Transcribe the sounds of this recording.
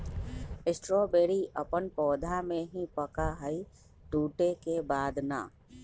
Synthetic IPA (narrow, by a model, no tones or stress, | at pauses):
ɪsʈɾɔːbeːɾiʔɐpənpɔːd̪ʱamẽɦĩpɐkaɦəi | t̪uːʈekebaːd̪na̰ː